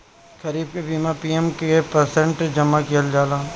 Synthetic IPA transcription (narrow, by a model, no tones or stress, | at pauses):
kʰəɾiːb̚kebiːmapiːemkepəɾsẽɳʈd͡ʒəmːakijəld͡ʒaːlaː